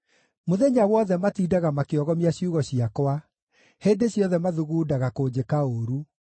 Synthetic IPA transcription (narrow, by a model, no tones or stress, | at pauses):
moðɛɲawɔðɛmatiːdaɣamakeɔɣɔmiaɕiuɣɔɕiakwa | heːndeɕjɔðɛmaðuɣuːdaɣakoːd͡ʑekaoːɾu